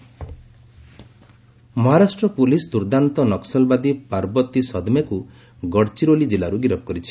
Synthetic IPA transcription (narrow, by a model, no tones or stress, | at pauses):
mɔɦaɾasʈɾɔpulisd̪uɾd̪ant̪ɔnɔksɔlbad̪ipaɾbɔt̪isɔd̪meku | ɡɔɽt͡ʃiɾolid͡ʒilaɾuɡiɾɔbɔkɔɾit͡ʃʰi̥